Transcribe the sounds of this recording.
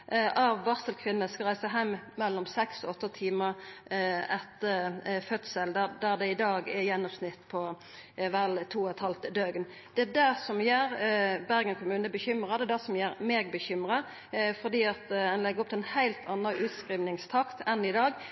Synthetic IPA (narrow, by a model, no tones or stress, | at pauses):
ʔʔɑʋːɑʁsəlkʰʋɪnːəskɑʁæɪsəɦæɪmmɛlːɔmsɛksɔɔt̪ːət̪ʰiːməʁ | ɛt̪ːəfœt̪səld̪æd̪æʁd̪ɛɪd̪ɑːɡɛjɛnːɔmsnɪt̪ːpʰɔ | ʋælt̪ʰuːɛt̪hɑlt̪d̪øːɡən | d̪ɛæd̪æsɔmjæːɾbæʁɡənkʰʊmʉːnəbəçʏmʁɑd̪ɛd̪æsɔmjæːɾmeːɡbəçʏmʁɑ | fɔd̪iːɑt̪ɛnlɛɡəʁɔp̚t̪ɪlɛnhæɪlt̪ʰɑnːəʔʉːt̪skɾʁiːʋnɪŋst̪ʰɑkt̪ɛnɪd̪ɑːɡ